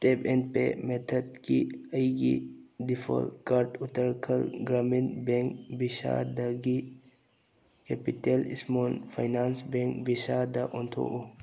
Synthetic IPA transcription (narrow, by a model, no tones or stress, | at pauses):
tepenpemet̪ʰədkiɐjɡḭdipʰo̰lkaɾʈut̪əɾkʰəlɡɾaminbeŋkbisa̰d̪ɐɡi | kepitelḭsmonpʰa̰jnaːnsbeŋkbisad̪ɐʔɔnt̪ʰo̰ʔo